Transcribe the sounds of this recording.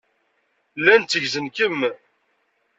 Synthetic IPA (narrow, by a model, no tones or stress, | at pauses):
lːænt̪t͡sːəʝzənkəm